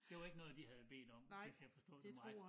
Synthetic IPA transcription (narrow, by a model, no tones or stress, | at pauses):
d̥e̝ʋɑ̈e̝ɡ̥ənɔ̽ːð̩ˠd̥ihæð̞ˠb̥e̝̰ːd̥ɒ̽m̰esjafɒ̽sd̥ɔ̰ːd̥ɑ